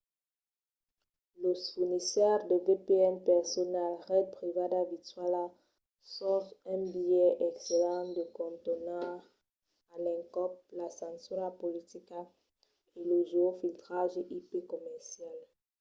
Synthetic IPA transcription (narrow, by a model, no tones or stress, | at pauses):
ləfuʁnisɛʁd̪əvepeɛnpɛʁsɔnalʁɛd̪̚pχivad̪avit̪ɥala | sɔvɛ̃bijɛʔɛkselɑ̃d̪əkɔ̃nt̪ona | alɛ̃ŋkɔp̚lasɑ̃syʁapolit̪ika | eləʒeofilt̪χaʒeʔipekɔmɛʁsjal